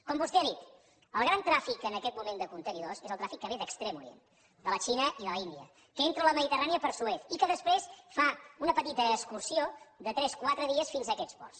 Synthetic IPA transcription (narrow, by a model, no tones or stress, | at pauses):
kɔmbuzt̪iəðit̪ | əlˠɣ̞ɾant̪ɾafikənəkɛt̪̚mumend̪əkunt̪əniðosezəlˠt̪ɾafikːəβeðəkst̪ɾemuɾijḛn | d̪ələt͡ʃinəʔiðələind̪iə̰ | kəent̪ɾələməðit̪əraniəpəɾsuet̪ikəðəspɾesfaunəpət̪it̪əːkskursiod̪ət̪ɾɛskwat̪ɾəðiəsfinzəkɛspɔ̰rs